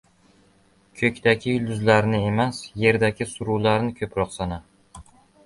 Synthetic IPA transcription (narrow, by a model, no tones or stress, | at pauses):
kʲʰɵkʲd̪akʲʰɪʊld̪ʊzlaɾnɪe̞masje̞ɾd̪akʲɪsʊɾuwlaɾnɪkʲʰɵpɾɒqsana